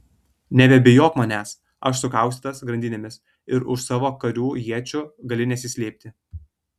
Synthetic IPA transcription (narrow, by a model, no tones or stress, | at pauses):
nʲɛbʲɛbʲɪjoːkmɐnʲæːs | ɐʃsʊkɑˑʊsʲt̪ʲːt̪ɐsɡɾɐnʲd̪ʲɪnʲeːmʲɪs | ɪɾʊʃsɑːʋoːkɐɾʲuːjiɛt͡ʃʲʊɡɐlʲɪnʲɛsʲɪsʲlʲeːp̚ʲt̪ʲɪ